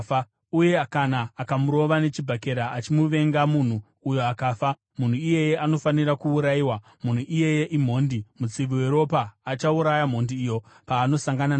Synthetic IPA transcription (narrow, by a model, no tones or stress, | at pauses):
uje̞akanaːkamuɾo̞ʋane̞t͡ʃibʱake̞ɾaʔːt͡ʃimuʋe̞ŋɡamun̤uː | jo̞akafa | mun̤uije̞je̞ʔano̞faniɾakuːɾaiwa | mun̤uʔije̞je̞ʔim̤o̞ndimut͡siʋiwe̞ɾo̞paːt͡ʃauɾajam̤o̞ndiːjo̞ | paːno̞saŋɡanan